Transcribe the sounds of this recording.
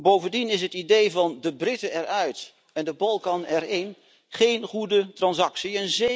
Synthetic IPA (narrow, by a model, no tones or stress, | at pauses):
bowvəndinɪs̬ɦətidejvɑndəbrɪtəɛɹœɥt | ɛndəbɑlˠkɑnɛɹɪn | χejnχudətrɑnsɑksiənze